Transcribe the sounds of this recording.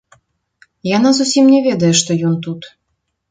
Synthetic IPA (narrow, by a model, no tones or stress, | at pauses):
janazusʲimnʲɛvʲɛd̪ɐjɛʂt̪ɔjɔnt̪ut̪